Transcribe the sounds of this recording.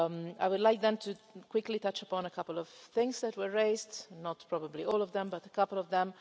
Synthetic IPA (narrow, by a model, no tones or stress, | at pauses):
aɪwʊdlaɪk̚ðɛ̃ntʰukʰw̥ɪklitʌt͡ʃəpɔ̃nəkʰʌpl̩ˠɔv̥θɪ̃ŋsðɨt̚wə˞ɹeɪsdnɔtpʰɹɔbəbliɔːlˠɔvðɛ̃mbʌtəkʰʌpl̩ˠɔvðɛ̃m